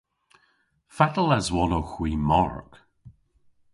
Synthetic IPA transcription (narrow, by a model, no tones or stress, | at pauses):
fat̪əlɛzwɔnowxwiːmɔɹk